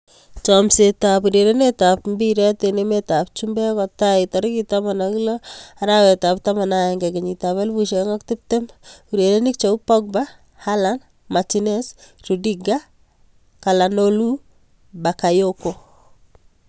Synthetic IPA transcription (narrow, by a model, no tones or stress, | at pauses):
t͡ʃɔmsetapuɾeɾenetapmbiɾɛtenemetap̚t͡ʃumbɛkɔtaitɔɾkitamanakilɔaɾawɛtap̚tamanajɛŋɡɛkeɲitaβɛlbuʃeŋɔktɪp̚temuɾeɾenik̚t͡ʃɔpɔk̚ba | halan | matinɛsrudiɡa | kalanolu | bakajoko